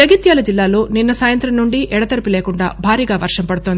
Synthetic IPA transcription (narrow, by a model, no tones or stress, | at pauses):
d͡ʒɐɡit̪jaːlɐd͡ʒilːaːloːninːɐsaːjɐnt̪ɾɐmnuɳɖiʔɛɽɐt̪ɐɾipileːkuɳɖa̰ːbʱaːɾiːɡaːʋɐɾʂɐmpɐɽut̪ond̪i